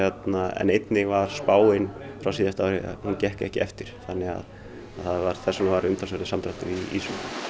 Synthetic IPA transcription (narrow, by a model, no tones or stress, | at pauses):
jɛt̪naɛ̰nejt̪nɪvaɾ̥spaːwɪnfɾawsiːðjast̪aːwɾɪa̰huncɛhkɛ̰hcɪɛft̪ɪɾ̥θanːɛɣa̰ð | aðθaðvaɾ̥θɛsːɔnavaɾʏmt̪ʰals̬ɛɾɪsamt̪ɾaht̪ʏɾiḭsu